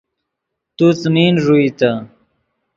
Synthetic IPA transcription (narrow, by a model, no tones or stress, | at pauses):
t̪ut͡sninʐuit̪a